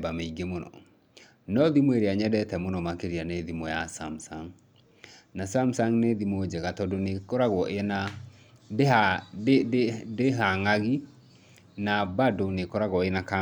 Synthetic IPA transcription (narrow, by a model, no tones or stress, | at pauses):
bameiɡemonɔ̰ | nɔðimweɾeaɲɛdɛtɛmonɔmakeɾianeðimɔjasamsaŋ | nasamsaŋneðimod͡ʒɛɣatɔdonekɔɾaɣwɔʔena | deɦa | deɦaŋaɣi | nabadonekɔɾaɣwɔenaka